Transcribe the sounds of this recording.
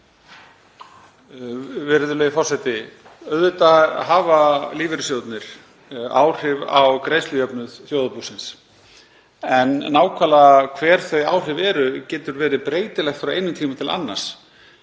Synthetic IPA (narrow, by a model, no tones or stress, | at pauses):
vɪɾðʏlœjɪfɔr̥sɛt̪ɪ | œðʏt̪aɦaːvaliːvɪɾʏsjowt̪nɪɾ̥ | a̰ːwr̥ɪva̰wkɾeːjslʏjœpnʏð̥θjowðapusɪns | ɛnːaːwkʰvaːlakʰvɛːɾ̥θœɥja̰ːwr̥ɪvɛːɾʏcɛːt̪ʏɾvɛːɾɪpɾeːjt̪ɪlɛxt̪fɾawejnʏmt̪ʰiːmat̪ʰɪla̰nːa̰ɾ̥s